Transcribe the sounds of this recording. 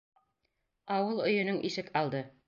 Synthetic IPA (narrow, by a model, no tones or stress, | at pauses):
ɑwɤlˠɵ̆jɵ̆nɵŋʔiʃɘkɑlˠd̪ɤ